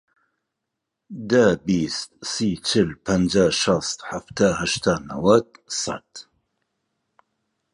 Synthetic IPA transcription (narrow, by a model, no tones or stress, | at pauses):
d̪abist̪̚siːt͡ʃʰɪlpʰənd͡ʒaːʃɑst̪ħaft̪ʰaːɦaʃt̪ʰaːna̰wad̪̚sa̰t̪